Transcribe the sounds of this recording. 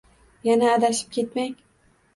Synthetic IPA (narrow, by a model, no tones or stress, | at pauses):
janaːd̪aʃɪ̥p̚kʲʰe̞t̪maŋ